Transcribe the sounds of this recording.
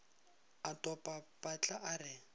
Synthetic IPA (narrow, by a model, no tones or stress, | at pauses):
atʼɔpʼapʼat͡ɬʼaʔarɪ